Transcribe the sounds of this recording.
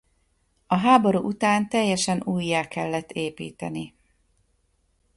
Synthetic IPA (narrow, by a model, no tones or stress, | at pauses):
ɒɦaːbo̞ɾṵːʔut̪aːnt̪ɛjːɛʃɛnuːjːaːkɛlːɛt̪ːeːpḭːt̪ɛni